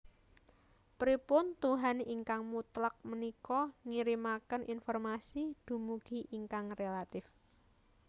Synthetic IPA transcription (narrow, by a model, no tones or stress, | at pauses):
pɾipʊnt̪uɦaniŋkaŋmut̪lak̚mənikɔŋiɾimakənʔinfɔrmasid̪̥ṳmuɡ̥i̤ʔiŋkaŋrelat̪ɪf